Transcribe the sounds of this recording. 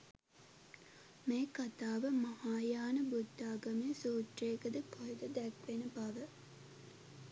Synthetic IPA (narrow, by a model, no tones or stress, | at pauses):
meːkat̪aːʋəmɐhaːjaːnəbud̪ːaːɡɐmijəsuːʈreːkəd̪əkʰoɦd̪əd̪ɛkʋenəbaʋə